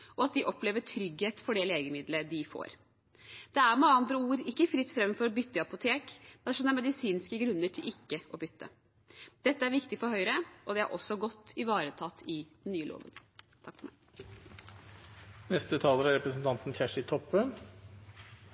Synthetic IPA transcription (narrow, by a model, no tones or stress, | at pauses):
ɔɑt̪̚d̪ɪʔɔpleːʋəʈʰɾʏɡheːt̪fɔɖɛleːɡəmɪd̪ləd̪ɪfo̰ːɾ | d̪̥ɛæɾmɑŋəɑnd̪ɾəuːɾɪkːəfɾɪt̪ːfɾɛmfɔɾɔbʏt̪ːəɑpʊt̪ʰeːkmɛnʂɔmæɾmɛd̪ɪsiːnskəɡɾʉnːəʈʰɪlʔɪkːəʔɔbʏt̪ːə̰ | d̪̥ɛt̪ːəæɾʋɪkt̪ɪfɔɾhœʏɾəʔɔd̪ɛæ̰ɾʔɔsːɔɡɔt̪ːɪʋɑːɾət̪ʰɑt̪ʰːɪd̪ɛnnːyːəlo̰ːʋə̰n | t̪ʰɑkfɔɾmæ̰ɪ | nɛst̪ət̪ʰɑːləɾæɾɛpɾəsn̩t̪ʰɑnt̪n̩çæʂɪt̪ʰɔpːən